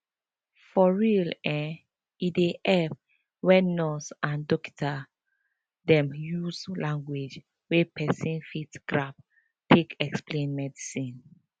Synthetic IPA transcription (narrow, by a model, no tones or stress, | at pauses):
fɔɹilɛ̃n | ideʔɛf | wɛnɔsãndɔki̥tʰa | dɛ̃mjuslãŋɡwed͡ʒ | wepʰɛsĩnfitɡ̥ɹap̚ | tʰekɛksplẽnmɛdisĩn